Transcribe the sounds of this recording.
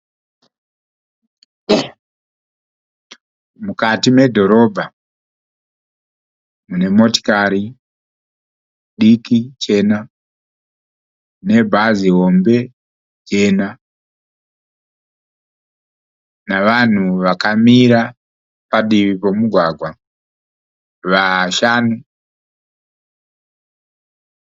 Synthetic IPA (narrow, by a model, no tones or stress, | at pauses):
mukatimwe̞dʱo̞ɾo̞bʱa | mune̞mo̞ti̥kaɾi | ɗikit͡ʃe̞na | ne̞bʱaziɦo̞mbe̞ | d͡ʒena | naʋan̤uʋakamiɾa | paɗiʋipomuɡʱwaɡʱwa | ʋaʃanu